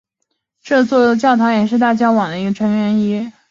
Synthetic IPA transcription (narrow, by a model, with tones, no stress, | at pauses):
ʈ͡ʂɤ˥˧t͡swɔ˥˩˧t͡ɕjɑ˥˩ʊt̪ʰɑ˧˥ʊjɛ˨˩ʂ̬ɻ̩˥˧t̪a˥˩t͡ɕja˥wɑ˨˩ŋd̪ə˦i˧˥ɡə˧ʈ͡ʂʰɤ˧˥ŋɥɛ˧˥ni˥